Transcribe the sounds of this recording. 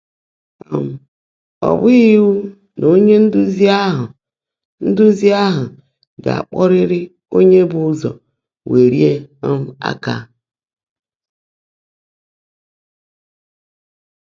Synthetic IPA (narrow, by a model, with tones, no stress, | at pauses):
a˨m̩˨ | ɔ̰˨bʊ˦i˦wu˦ | no˦ɲe˦n̩˦dʊ˦zi˦a˦ɦʊ˨ | n̩˦dʊ˦zi˦a˦ɦʊ˨ | ɡa̰˨a̰˨k͡pɔ˦ɾɪ˦ɾɪ˦ | o˦ɲe˦bʊ˦ʊ˦zɔ̰˨ | we˨ɾi˦e˦m̩˦a̰˦ka̰˦